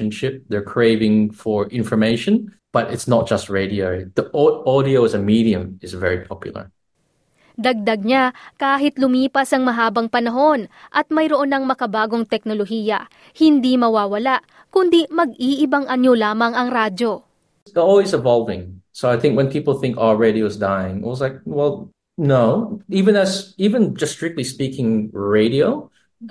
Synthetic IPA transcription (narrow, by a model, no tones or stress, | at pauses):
nʃɪp̚ðɛ˞kʰɹeɪvɪ̃ŋfɔɹɪ̃nfɔ˞meɪʃɔ̃n | b̥ʌɾɪtsnɔt̚d̥ʒ̥ʌst̚ɹeɪɾiəɹiðiɔɔɾioɪzəmiɾiɨ̃mɪzvɛɹipʰɑpʰjʊ̰l̩ˠə̰˞ | d̪ɐɡ̚d̪ɐɡ̚ɲakaːɦɪt̪lʊmiːpɐsɐŋmɐɦaːbɐŋpɐnɐɦo̞nʔɐt̪̚mɐjɾoʔonːɐŋmɐkɐbaːɡo̞ŋt̪ɛk̚noloɦiːjɐ | hɪnd̪imɐwaːwɐlaʔ | kʊnd̪imɐɡ̚iʔɪbɐŋʔɐɲolaːmɐŋɐŋɾaːdd͡ʒo̞ | əɔlˠwizɨvɑlˠvɪ̰̃ŋsoʊaɪθɪ̃ŋkwɛ̃npʰipl̩ˠθɪ̃ŋkɔlɹeɪɾioʊzdaɪɪ̰̃ŋɪ̰twʌzlaɪk̚wɛlˠ | noʊivɨ̃nɨzivɨ̃nd͡ʒʌstɹ̥ɪk̚t̪lispikɪ̃ŋɹeɪɾioʊ